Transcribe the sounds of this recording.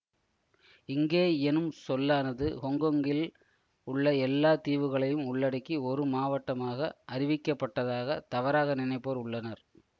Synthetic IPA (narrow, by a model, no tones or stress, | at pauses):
ɪŋɡeːɛnɯmsɔlːaːnɐðɯhɔŋɡɐŋɡɪl | ʊɭːɐɛlːaːt̪iːʋɯɣɐɭɐjɯmʊɭːɐɽɐkːiɔɾɯmaːʋɐʈːɐmaːɣɐʔɐrɪʋɪkːɐpːɐʈːɐðaːɣɐt̪ɐʋɐɾaːɣɐnɪnɐɪpːoːɾʊɭːɐnɐɾ